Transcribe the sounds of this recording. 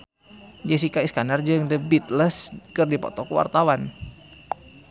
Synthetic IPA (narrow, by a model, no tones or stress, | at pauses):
jəs̬ikaiskanard͡ʒəŋdəbit̪ləskɨrdipɔ̰t̪ɔkəwa̰rt̪awan